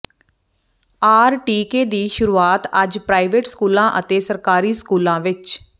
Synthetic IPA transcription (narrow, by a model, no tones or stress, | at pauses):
aːɾʈiːkeːd̪iːʃʊɾuːaːt̪əd͡ʒpɾaːiʋeʈskuːlãːʔət̪eːsəɾkaːɾiːskuːlãːʋɪt͡ʃ